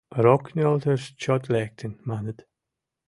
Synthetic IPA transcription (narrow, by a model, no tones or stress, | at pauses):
ɾɔkʰnɔltəst͡ʃɔtlɛk̚tʰənmanət